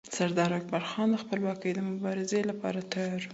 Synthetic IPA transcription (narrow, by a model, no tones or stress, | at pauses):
saɾd̪ɑɾak̚baɾxɑnd̪əxpəlwɑkəjd̪əmʊbɑɾɪzelapɑ̰ɾat̪ajɑɾu